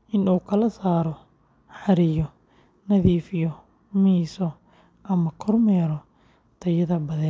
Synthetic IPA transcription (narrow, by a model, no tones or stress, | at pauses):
ʔɪnuːkʰɐlɐsaːɾɔ | ħɑɾɪjɔ | nɐðiːfɪjɔ | miːsɔ | ʔɐmɐkʰɔrmɛːɾɔ | t̪ʰɐjɐðɐbɐðɛː